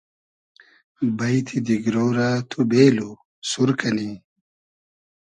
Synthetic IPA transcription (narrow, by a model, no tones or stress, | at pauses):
bɐjt̪ʰid̪iɡɾoːɾat̪ʰubeːlu | suɾkɐni